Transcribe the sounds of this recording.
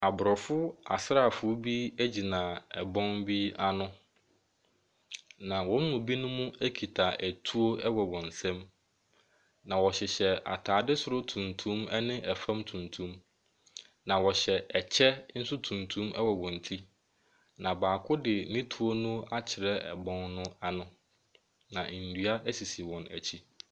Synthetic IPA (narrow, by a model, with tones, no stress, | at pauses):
a˨bʊ˨ɾɔ˨fʊ˦a̰˨sɾa˦˨fʊ˦bi˦æ˦d͡ʑi˨nã˨ɛ˨bɔ̃˦mbi˦a˦nʊ̃˦ | nã˨wɔ̃˦m˦mʊ̃˨bi˦nʊ̃˦mʊ̃˦æ˦kʰi˨tʰa˨ʔæ˨tʰu˦o˦ɛ˦wɔ˨wɔ̃˨n˨sɛ̃˦m | nã˨wɔ˨ɕɪ˨ɕɛ˨ʔa̰˨tʰaː˨dɪ˦sʊ˦ɾʊ˦tʰũ˨ntʰũ˦mɛ˦nɪ̃˦ʔɛ˨fã˦mtʰũ˨ntʰũ˦m | nã˨wɔ˨ɕɛ˨ɛ˨t͡ɕʰɛ˦n̩˦sʊ˦tʰũ˨ntʰũ˦mɛ̰˦wɔ˨wɔ̃˨n̩˨tʰi˦ | nã˨baː˨kʰʊ˦dɪ˨mĩ˦tʰu˦o˦nʊ̃˦a˦t͡ɕʰɪ˨ɾɛ˦ɛ˨bɔ̃˦nnʊ̃˦a˦nʊ̃˦ | nã˨n̩˨dɥa˦ʔæ˦si˨si˨wɔ̃˨næ̰˨t͡ɕʰi˦